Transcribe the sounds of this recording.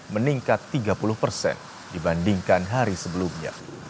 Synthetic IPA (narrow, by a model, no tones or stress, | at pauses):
məniŋkat̪ːiɡapulʊhpərsɛ̰n | dibandiŋkanɦaɾisəbəlumɲa̰